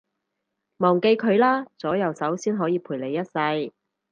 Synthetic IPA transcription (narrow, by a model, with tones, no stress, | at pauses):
mɔː˨˩ŋke˧jkʰɵ˨˧ɥlaː˥t͡sɔː˨˥jɐ˨˧wsɐ˨˥wsiː˥nɦɔː˨˥jiː˨˧pʰuː˨˩le˨˧jɐ˥t̚sɐ˧j